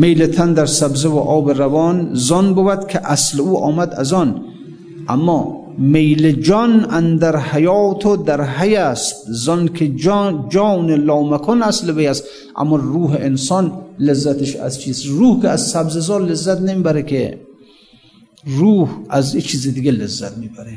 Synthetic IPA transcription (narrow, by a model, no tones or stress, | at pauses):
mejlet̪ʰænd̪æɾsabzevoʔɒːbeɾavɒːnzɒnbobæd̪kʰeʔæsleuːʔɒːmæd̪a̰zɔn | ʔa̰mːɒː | mejled͡ʒɔnʔænd̪æɾhajɒːt̪ʰod̪æɾɦajæst̪̚zɒnkʰed͡ʒɒːnelɒːmakʰɔnaslevejast̪ | ʔa̰mːɔɾuːɦeʔensɔnlezːæt̪ʰeʃæ̰zt͡ʃʰiːst̪ɾuːhkeæzsæbzezɒːlezːæt̪nemiːbæɾekʰe | ruːhæzet͡ʃʰiːzed̪iɡelezːæt̪miːbæɾe